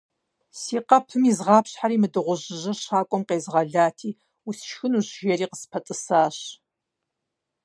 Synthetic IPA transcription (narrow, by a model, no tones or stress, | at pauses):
siːqɐpʰɨmizʁɑːpʰɕħaɾiːmɨdɨʁʷʊʑɪʒɨrɕaːkʷʼɔmqeːzʁɐɮaːtʰiː | usʃxɨnuʑʒeɾiːqəspʰɐtʼɨsaːɕ